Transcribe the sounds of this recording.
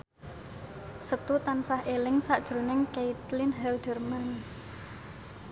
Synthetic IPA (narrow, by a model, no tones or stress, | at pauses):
sət̪ut̪ansahʔelɪŋsaʔd̥ʒ̥ɾo̤nɪŋkeit̪lɪnɦɛldərman